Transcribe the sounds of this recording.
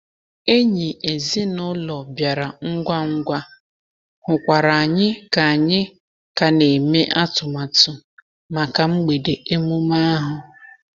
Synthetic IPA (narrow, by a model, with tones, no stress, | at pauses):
e˦ɲi˨e˨zi˦nʊ˦lɔ˨bja˨ɾa˨ŋ̩˦ɡʷa˦ŋ̩˦ɡʷa˦ | hʊ˨kʷa˨ɾa˨a˨ɲɪ˦ka˨a˨ɲɪ˦ | ka˨ne˨me˦ʔa˦tʊ˨ma˨tʊ˨ | ma˨ka˨ŋ͡m̩˦ɡ͡be˨de˨e˦mʊ˦ma˦a˦ɦʊ˨